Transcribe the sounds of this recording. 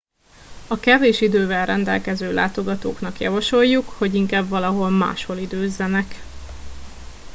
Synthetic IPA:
ɒkɛveːʃid̪øːvɛlrɛnd̪ɛlkɛzøːla̰ːt̪o̞ɡɒt̪o̰ːknɒkjɒ̰vɒʃo̞jːukho̞ɟiŋkaːbvɒlɒɦo̞lma̰ːʃho̞lid̪øːzːɛnɛk

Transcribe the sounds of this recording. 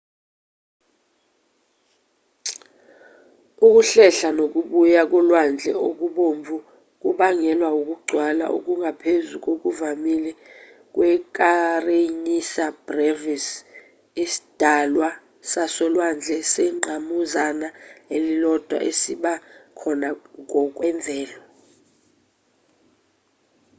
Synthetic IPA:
uk̬ʼuɬɛɬanok̬uɓujak̬ɔlwand͡ɮʱɛ̰ok̬uɓomvʱu | k̬uɓaŋɛlwauk̬uɡ͡ǀʱwala̰ʔṵk̬uŋʱapʰezuk̬ok̬uvamilɛ | k̬wɛk̬ʼarenisab̥rɛvis | isi̥d̥ʱalwa | sasɔlwand͡ɮʱɛsɛŋ͡ǀʱamuzanaelilɔd̥ʱwa̰ʔesiɓakʰɔnak̬ɔk̬ʼwɛɱvʱɛːlɔ

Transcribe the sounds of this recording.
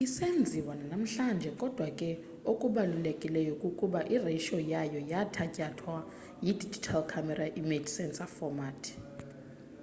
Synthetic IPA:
isend͡zʱiwananam̩ɬand͡ʒʱɛkʼɔd̥ʱwakʼɛ | okʼuɓalulekʼilɛjɔkʼukʼuɓaʔireʃɔjajɔjatʰacʼatʰwa | jid̥ʱid͡ʒʱitʰalkʰamɛraʔimed͡ʒsɛnsʼafɔmatʰ

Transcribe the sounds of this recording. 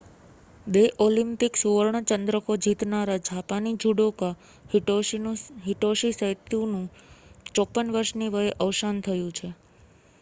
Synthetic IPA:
beʔolĩmpiksuʋəɭɳ̃ət͡ʃənd̪ɾəkod͡ʒit̪naɾad͡ʒapanid͡ʒuɽoka | ɦiʈoʃisəit̪jũnũt͡ʃɔpːənʋəɾʃniʋəɦeʔəʋʃant̪ʰəjũt͡ʃʰe

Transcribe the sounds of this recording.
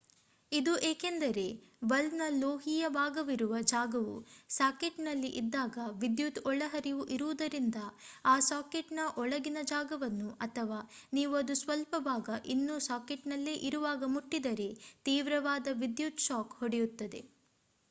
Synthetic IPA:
id̪uʔeːkend̪ɐɾe̞bɐlnɐloːɦijɐbaːɡɐʋiɾuʋɐd͡ʒaːɡɐʋṵsaːkeʈnɐlːiʔid̪ːaːɡɐʋid̪jut̪ɔɭɐɦɐɾiʋuʔiɾuʋud̪ɐɾind̪ɐaːsaːkeʈnɐʔɔɭɐɡinɐd͡ʒaːɡɐʋɐnːuʔɐt̪ʰɐʋaːniːʋuɐd̪usʋɐlpɐbaːɡɐʔinːusaːkeʈnɐlːeːʔiɾuʋaːɡɐmuʈːid̪ɐɾe̞t̪iːʋɾɐʋaːd̪ɐʋid̪jut̪ʃaːkhoɽejut̪ːɐd̪e̞̰

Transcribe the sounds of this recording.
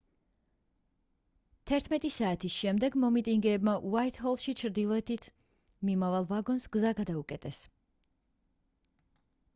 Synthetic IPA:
t̪ʰɛɾt̪ʰmɛt̪ʼisaːt̪ʰisʃɛmd̪ɛɡmɔmit̪ʼiŋɡɛːbmaʔuait̪hɔlˠʃit͡ʃʰɾd̪ilˠɔɛt̪ʰit̪ʰ | mimavalˠvaɡɔnsɡ̥zaɡad̪aukʼɛt̪ʼɛs

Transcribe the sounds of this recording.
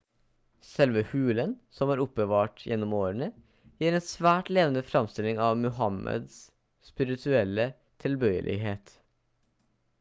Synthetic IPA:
sɛlʋəhʉːlənsɔmæːɾʊp̚ːbəʋɑːʈjʔɛnːɔmoːɾəɳə | jiːɾeːnsʋæːʈleːʋənəfɾɑmst̪ɪlɪŋɑːʋmʉɦɑmʔə̰d̪s | spɪɾɪt̪ʰʉɛlːə | t̪ʰɪlbœʏə̰lʔɪ̰ɦeːt̪

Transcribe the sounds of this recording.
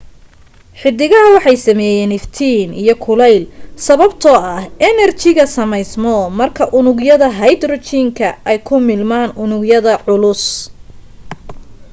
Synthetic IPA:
ħɪd̪ɪɣɐɦɐwɑħɑjsɐmɛːjɛːnɪft̪ʰiːnḭjɞkʰʊlɛjlsɐβɐbt̪ʰɔɐhɛnɛrt͡ʃɪɣɐsɐmɛjsmɔmɐrkʰɐʔʊnʊɣjɐðɐɦɐjd̪rɔt͡ʃʰiːŋkʰɐɛjkʰʊmɪlmaːnʔʊnʊɡjɐðɐʕʊlʊs

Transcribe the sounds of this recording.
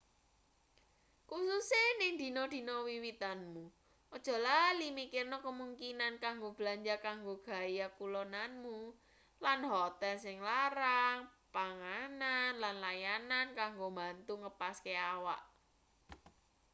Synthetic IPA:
kususenɪŋd̪̥i̤nɔd̪̥i̤nɔwiwit̪anmu | ʔɔd̥ʒ̥ɔ̤lalimikɪrnɔkəmuŋkinankaŋɡob̥laɲd͡ʒakaŋɡoɡ̥a̤jakulɔnanmu | lanɦɔt̪ansɪŋlaɾaŋpaŋananlanlajanankaŋɡombant̪uŋəpaskeawa̰ʔ

